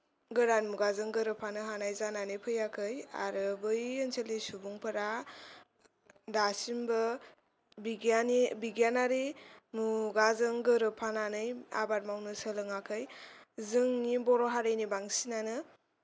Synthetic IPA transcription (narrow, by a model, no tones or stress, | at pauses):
ɡɯɾanmuɡazɯŋɡɯɾɯpʰanɯɦanajzananɯjpʰɯjakʰɯja̰ɾɯbɯjɯnsʰelesubuŋpʰɯɾa | dasimbɯ | biɡanibiɡianaɾimuɡazɯŋɡɯɾɯpʰananɯja̰baɾmawnɯsəlɯŋakʰɯjzɯŋnibɔɾɔɦaɾɯjnibaŋsinanɯ